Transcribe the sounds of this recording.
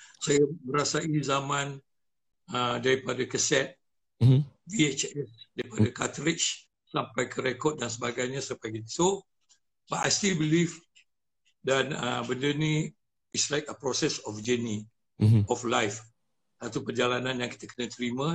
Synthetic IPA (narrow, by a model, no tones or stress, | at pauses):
sajaməɾasaizamãn | ədaɾipadakəsɛt̪̚ | biet͡ʃɛsdaɾipadakat̪ɾɪt͡ʃ | sampajkəɾɛkɔt̚dans̬əbaɡajɲasəmpajkit̪u | baʔa̰jst̪ilbilif | danə̰bəndəni | islajkəpɾɔsɛsɔfd͡ʒəni | ɔflajf | sat̪upərd͡ʒalanãnjaŋki̥t̪əkənat̪əɾimã